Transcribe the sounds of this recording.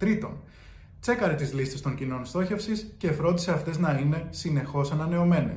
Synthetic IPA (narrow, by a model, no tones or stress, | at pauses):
t̪ɾit̪o̞̰n | t͡se̞kɐɾe̞t̪izlist̪e̞st̪o̞ɲcino̞nst̪o̞çe̞fsisce̞fɾo̞nd̪ise̞ɐft̪e̞znɐine̞sine̞xo̞sɐnɐne̞o̞me̞nḛs